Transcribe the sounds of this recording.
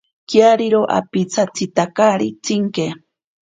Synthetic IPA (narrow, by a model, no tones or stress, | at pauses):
kjaɾiɾoʔa̰pit͡sʰat͡sit̪akaɾit͡siŋke